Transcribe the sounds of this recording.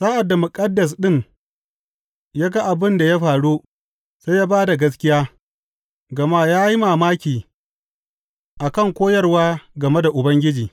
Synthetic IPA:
saː˦ʔa˨dːa˨mʊ˨kʼɐ˦dːɐ˨s̬ɗɪ˦˨ŋ | jaː˦ɡa˦ʔa˨bɪ˦nda˨ja˦ɸaː˨ɽu˦ | se˦jaː˦baː˦da˨ɡɐ˦s̬kʲɪ˦jaː˦ | ɡɐ˨maː˦jaː˦ji˦maː˨maː˦kʲiː˨ | ʔa˨kɐ˦˨ŋkʷoː˦jɐ˦rwaː˦ɡɐ˨me˦da˨ʔʊ˨bɐ˦ŋɡʲɪ˦d͡ʒiː˨

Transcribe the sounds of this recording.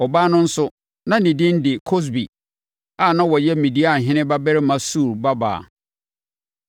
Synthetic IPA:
ɔ˨baː˦nʊ̃˦n̩˦sʊ˦ | nã˦nĩ˨dɪ̃˦n˦dɪ˨kʰo˦s̬bi˨ | a˨nã˦wɔ˨jɛ˦˨mĩ˨di˦a˨ɦɪ̃˦nɪ̃˦ba˦bɛ˦ɾɪ˦mã˨su˦˨ɾba˦ba̰ː˨

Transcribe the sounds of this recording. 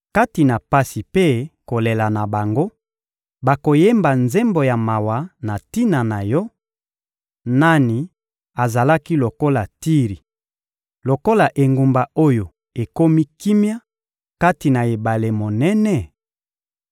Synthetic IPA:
ka˦ti˨na˨pa˦si˨pe˦ko˨le˨la˨na˨ba˨ŋɡo˦ | ba˨ko˨je˦mba˨nze˦mbo˨ja˨ma˨wa˨na˨ti˦na˨na˨jɔ˦ | na˦ni˨ | a˨za˨la˦ki˦lo˨ko˦la˨ti˦ʁi˨ | lo˨ko˦la˨ʔe˨ŋɡu˨mba˨o˦jo˨ | e˨ko˦mi˦ki˦mja˦ | ka˦ti˨na˨e˨ba˨le˨mo˨nɛ˦nɛ˦

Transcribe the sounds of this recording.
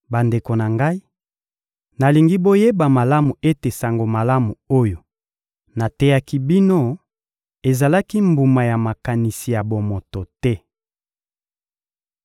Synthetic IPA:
ba˨nde˨ko˨na˨ŋɡa˦i˦ | na˨li˨ŋɡi˦bo˦je˦ba˨ma˨la˦mu˨e˦te˨sa˨ŋɡo˨ma˨la˦mu˨o˦jo˨ | na˨tɛ˦ja˦ki˦bi˦no˦ | e˨za˨la˦ki˦mbu˨ma˨ja˨ma˨ka˨ni˨si˨ja˨bo˨mo˨to˨tɛ˦

